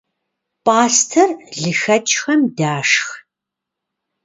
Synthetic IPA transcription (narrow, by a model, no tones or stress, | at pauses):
pʼaːstʰɐrɮɨxɐt͡ʃʼxɐmdaːʂx